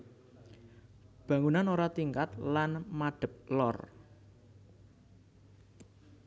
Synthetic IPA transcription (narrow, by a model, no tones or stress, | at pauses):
b̥a̤ŋunanoɾat̪iŋkat̪lanmaɖ̥ə̤p̚lɔ̰r